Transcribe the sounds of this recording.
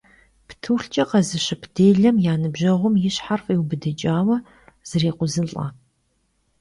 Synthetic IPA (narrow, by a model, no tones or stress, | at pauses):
ptʰɨːɬt͡ʃʼɐqɐzɨɕɪpʰd̥eːɮɐmjaːnɨbʑɐʁʷʊmjɪɕħarfʼiːwbɨdɨt͡ʃʼaːwɐ | z̥ɨreːqʷʊzɨɬʼa̰ː